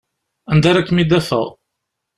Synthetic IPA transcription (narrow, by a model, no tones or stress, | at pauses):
ænd̪ɑɾækːmid̪æfə̰ʁ